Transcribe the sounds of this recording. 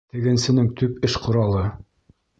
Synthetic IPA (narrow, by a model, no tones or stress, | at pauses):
t̪ɘ̆ɡɘ̆nsɘ̆nɘŋt̪ʉpɘʃqŏɾɑlˠɤ